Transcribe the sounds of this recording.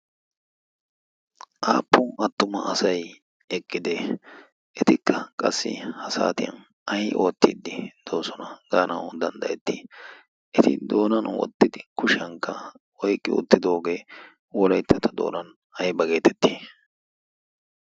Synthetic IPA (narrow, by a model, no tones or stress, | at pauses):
ʔaːpːʊʔɐt̪ːʊmɐ̰ʔɐsɐj | ɛkʼːɪd̪e | ʔɛt̪ɪkʰːɐkʼɐsːɪ̰hɐsa̰ːt̪ɪjɐ̰n | ɐjʔo̞ːt̪ːḭd̪ɪd̪̥o̞ːsɔnɐɡaːnɐwd̪ɐnd̪ɐjɛt̪ːiː | ʔɛt̪ɪ̰d̪o̞ːnɐnwɔ̰t̪ːɪd̪ɪkʊʃɪɐŋkːɐ | wɔjkʼːɪʊ̰t̪ːɪd̪o̞ːɡe̞ː | wɔlɐjt̪ːɐt̪ɐd̪o̰ːnɐn | ɐjbɐɡe̞ːt̪ʰɛt̪ːiː